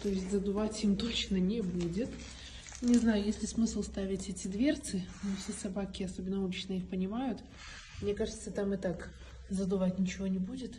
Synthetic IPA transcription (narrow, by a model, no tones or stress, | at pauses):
t̪ojɪsʲtʲzəd̪ʊvatʲimt̪o̞t͡ɕnənʲɪbudʲɪt̪ | nʲɪznajʊjesʲlʲɪsmɨslˠst̪avʲɪtʲɛtʲɪd̪vʲert̪sɨnofsʲesɐbakʲɪɐso̞bʲɪnːəulʲɪt͡ɕnəixpənʲɪmajʊt̪ | mnʲekaʐɨt̪sət̪amɨt̪ak | zəd̪ʊvatʲnʲɪt͡ɕɪvo̞nʲɪbudʲɪt̪